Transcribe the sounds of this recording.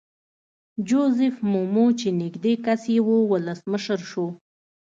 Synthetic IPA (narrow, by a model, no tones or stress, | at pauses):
d͡ʒozɪfmomot͡ʃenɪɡd̪ekasewowʊləsməʃəɾʃo